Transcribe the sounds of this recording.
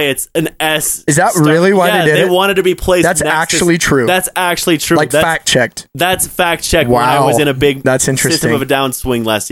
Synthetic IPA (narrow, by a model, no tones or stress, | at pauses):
ɨtsɨ̃nɛsɨzðət̚ɹɪlˠiwaɪeɪɪðeɪwɑ̃ɾ̃ɨd̚tʰɨbipʰl̥eɪsðætsnææk̚t͡ʃul̩ˠitʰɹ̥ʉðætsæk̚t͡ʃul̩ˠitʰɹ̥ʉlaɪkðæfæk̚t͡ʃʰɛk̚t̚ðætsfæk̚t͡ʃʰɛk̚wãaɪʊwʌzɨ̃ɾ̃ɨbɪɡ̚ðætsɪ̃nt͡ʃɹɹ̥ɨsɪstmʌvɨdãʊ̃nswɪ̃ŋlæst̚j